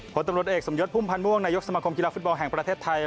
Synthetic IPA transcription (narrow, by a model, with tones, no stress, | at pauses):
pʰo˩˦nt̪a˧mɾu˨˩ət̪ʔeː˨˩k̚so˩˦mjo˦˥t̪̚pʰuː˥˩mpʰa˧nmu˥˩əŋnaː˧jo˦˥ksa˧maː˧kʰo˧mki˧laː˧˥fu˦˥t̪̚bɔ˧nɦɛ˨˩ŋpɾa˧t̪ʰeː˥˩t̪ʰːa˧j